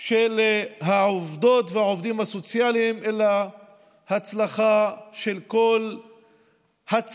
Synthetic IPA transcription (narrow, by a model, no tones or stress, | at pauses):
ʃelɦaʕovd̪o̞t̪veaovd̪imhaso̞t͡sjalimela | hat͡slaχaʃe̞lko̞l | hat͡s